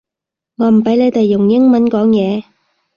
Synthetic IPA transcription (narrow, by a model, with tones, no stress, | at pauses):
ŋɔː˨˧m̩˨˩pɐ˨˥jle˨˧t̪e˨jːʊ˨˩ŋjɪ˥ŋmɐ˨˥nkɔː˨˥ŋjɛː˨˧